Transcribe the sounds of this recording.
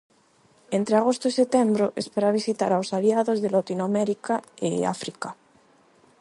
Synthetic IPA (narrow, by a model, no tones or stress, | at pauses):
ent̪ɾeaɣ̞ost̪oiset̪embɾoʔespeɾaβ̞isit̪aɾawsaliaðozðelat̪inoameɾikaḛa̰fɾika